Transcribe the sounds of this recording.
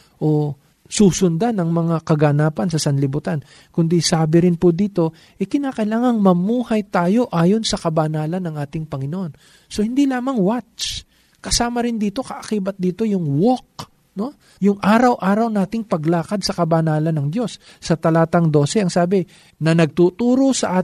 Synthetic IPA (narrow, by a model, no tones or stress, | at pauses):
ʔo̞ | suːsʊnd̪anɐŋmɐŋakɐɡɐnaːpɐnsɐsɐnlɪbʊt̪an | kʊnd̪isaːbɪɾɪnpʊd̪iːt̪o̞ | ʔɛkɪnaːkɐʔɪlaːŋɐŋmɐmuːhɐjt̪aːjo̞ʔaːjo̞nsɐkɐbanaːlɐnːɐŋʔaːt̪ɪŋpɐŋɪnoʔo̞n | so̞hɪnd̪ilaːmɐŋwat͡ʃ | kɐsaːmɐɾɪnd̪iːt̪o̞kɐʔɐkiːbɐt̪̚d̪iːt̪o̞jʊŋwok̚ | no̞ | jʊŋʔaːɾɐwʔaːɾɐwnaːt̪ɪŋpɐɡlaːkɐd̪̚sɐkɐbanaːlɐnːɐŋd̪jo̞sː | ɐt̪ɐlaːt̪ɐŋd̪o̞ːsɛʔɐŋsaːbɪ | nɐnɐɡ̚t̪uːt̪uːɾo̞sɐʔaː